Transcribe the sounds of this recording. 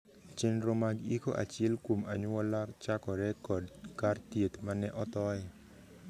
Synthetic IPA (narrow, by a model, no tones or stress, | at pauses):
t͡ʃenɾomaɡikoʔa̰t͡ʃelkoma̰ɲwɔlat͡ʃakɔɾɛkɔdkart̪jet̪manɛʔɔt̪ɔɪ